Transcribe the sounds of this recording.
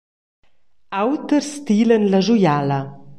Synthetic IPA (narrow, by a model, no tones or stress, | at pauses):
awt̪əɾst̪ilənlaʒujala